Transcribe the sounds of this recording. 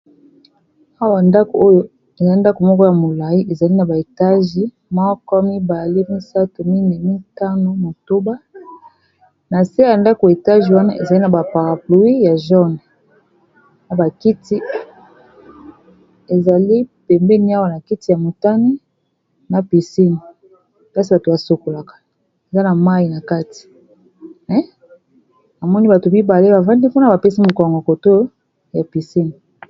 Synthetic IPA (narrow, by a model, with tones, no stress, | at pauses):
a˦wa˨nda˦ko˨o˦jo˦ | e˨za˨li˦nda˦ko˨mɔ˦kɔ˦ja˨mo˨la˨ji˦ʔe˨za˨li˦na˨ba˨e˨ta˦ʒi˦ | mɔ˦kɔ˦mi˦ba˨le˦mi˦sa˦to˨mi˦nɛ˨mi˦ta˦no˨mo˨to˦ba˦ | na˨si˦a˦a˨nda˦ko˨e˨ta˦ʒi˨wa˦na˦ʔe˨za˨li˦na˨ba˨pa˨ʁa˨plo˨i˦ja˨ʒɔ˦nɛ˨ | na˨ba˨ki˦ti˦ | e˨za˨li˦pɛ˨mbɛ˦ni˦a˦wa˦˨na˨ki˦ti˨ja˨mo˨ta˦ni˦ | na˨pi˨si˦ni˨ | ka˦si˦ba˨to˨ba˨so˨ko˨la˨kḁ˨ | e˨za˦na˨ma˦ji˨na˨ka˦ti̥˨ | mɛ˨˦ | a˨mɔ˦ni˦ba˨to˨bi˦ba˨le˦ba˨va˦ndi˦po˦na˨ba˨pe˦si˦mo˨kɔ˨ŋɡɔ˨ko˨to˦ | ja˨pi˨si˦ni˨